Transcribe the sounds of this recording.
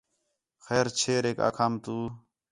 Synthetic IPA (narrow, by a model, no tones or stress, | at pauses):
xɛːɾt͡ʃʰeːɾeːka̰ːkʰaːmt̪uː